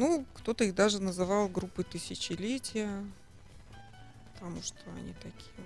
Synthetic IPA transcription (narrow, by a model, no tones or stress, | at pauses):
nukt̪o̞t̪əiɣd̪aʐɨnəzɨvɑlˠɡɾupːɨt̪ɨsʲɪt͡ɕɪlʲetʲɪjə | pə̥t̪ɐmuʂt̪ʰoɐ̰nʲit̪ɐkʲi̥jə